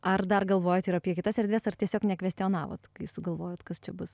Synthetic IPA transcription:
ɐrd̪ɐrɡɐlˠʋoːjoːt̪ɪɾɐpʲiɛkʲɪt̪ɐsɛɾd̪ʲʋʲeːsɐrt̪ʲiɛsʲoːknʲɛkʋʲɛsʲt̪ʲɛoːnɑːʋo̰t̪kɐɪsʊɡɐlˠʋoːjoːt̪kɐst͡ʃʲɛbʊs

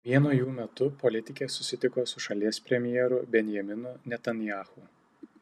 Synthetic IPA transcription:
ʋʲiɛnʊjuːmʲɛt̪ʊpɔlʲɪt̪ʲɪkʲeːsʊsʲɪt̪ʲɪkoːsʊʃɐlʲiɛspʲɾʲɛmʲjɛːɾʊbʲɛnʲjɛmʲɪnʊnʲɛt̪ɐnʲjaːxuː

